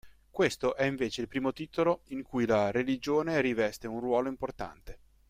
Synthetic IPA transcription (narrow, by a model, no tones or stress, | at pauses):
kwest̪oʔɛiɱveːt͡ʃeilpɾiːmot̪iːt̪oloiŋkujlaɾelid͡ʒoːneɾivɛst̪eunrwɔːloimport̪a̰nt̪e